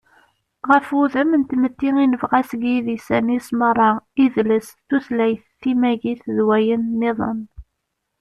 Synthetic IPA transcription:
ʁəfuðæmənt̪mət̪ːiŋinəvʁæsɡiðisænismərˤːɑiðləsθuθlæjθːimæʝiθðwæjənːeðˤə̰n

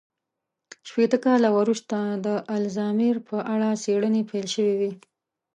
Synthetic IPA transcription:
ʃpet̪əkɑlawaɾuʃt̪ad̪əʔalzɑmiɾpʰəʔaɽaseɽənepajlʃəwiwi

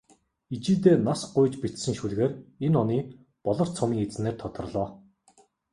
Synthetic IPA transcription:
it͡ɕiːt̪eːnasɢʊjt͡ɕpit̪sɘ̆ŋʃuɮɣeːrenɔniː | pɔɮɞ̆r̥t͡sʰɔmiːŋet͡sneːrt̪ʰɔt̪ɞ̆rɮɔː

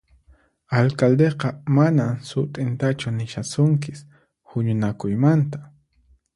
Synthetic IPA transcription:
alkald̪eqɑmanamsʊt̪ʼɪnt̪at͡ʃʊnɪʃasʊŋk̬ɪs | hʊɲʊnakʊjmant̪ḁ

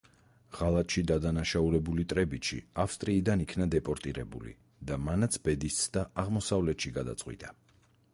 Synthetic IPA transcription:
ʁ̥alˠat̪ʼʃid̪ad̪anaʃauɾɛbulit̪ʼɾɛbit̪ʃḭafst̪ʼɾiːd̪anikʰnad̪ɛpʼɔɾt̪ʼiɾɛ̰bṵlḭ | d̪amanat̪sʰbɛd̪ist̪sd̪̥aʔaʁmɔsavlɛt̪ʃiɡad̪a̰t̪sʼqʼwḭt̪ʼa

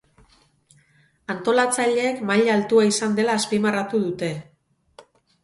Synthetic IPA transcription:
ant̪o̞lat͡saʎe̞ːkmaʎalt̪uaisand̪e̞laːspimarat̪uð̞ut̪e̞

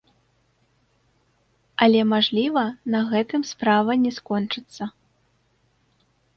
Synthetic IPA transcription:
ɐlʲɛmaʐlʲivɐnɐɣɛt̪ɨmspɾavɐnʲɛskɔnt͡ʂɨt̪sːɐ

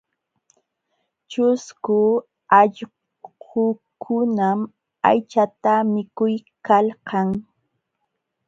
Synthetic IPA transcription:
t͡ʃʊskʊ | ɑʎ | ʊkʰʊnam | a̰jt͡ʃat̪amɪkʊjkalqɑŋ

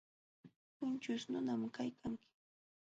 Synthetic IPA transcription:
pʊnt͡ʃʊsnʊnamkajkʰaŋkɪ̥

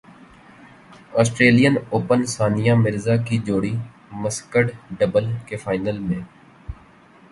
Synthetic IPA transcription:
ɔːsʈɾeːlijənoːpənsaːnijãːmɪɾzaːkid͡ʒoːɽiː | məskəɽɖəbəlkefʰaːɪnəlmẽː

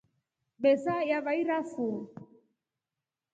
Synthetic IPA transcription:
bɛsajavaiɾafo

